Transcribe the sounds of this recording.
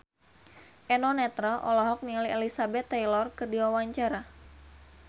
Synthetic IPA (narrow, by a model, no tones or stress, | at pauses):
ʔɛnɔnɛt̪ɾɔʔɔlɔɦɔk̚nilielisabɛt̪ːajlɔrkɨrdiwawaɲt͡ʃaɾa